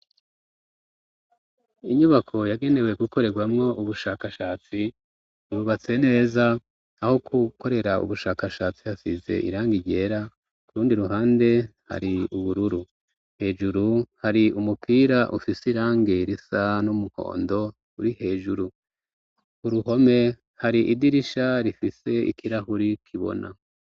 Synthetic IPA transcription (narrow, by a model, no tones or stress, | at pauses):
iɲuβakʰo̞jaɡe̞ne̞we̞ɡuko̞ɾe̞ɡwamŋo̞ʔuβuʃaːkaʃaːt͡si | uβuβat͡se̞ne̞ːzaː | ho̞kʰuko̞ɾe̞ɾaṵβuʃaːkaʃaːt͡sihasize̞̰ʔḭɾaːŋɡiɟe̞ːɾa | uɾuːndiɾuɦaːnde̞ha̰ɾiuβuɾuɾu | he̞ːʒuɾuhaɾiumupʰiːɾaʔṵfisiɾaːŋɡiɾisanumuho̞̰ːndo̞ | uɾihe̞ːʒuɾu | uɾuho̞me̞ | haɾiʔidiɾiʃaɾifise̞ḭkʰiɾahuɾikʰiβo̞̰nʔa̰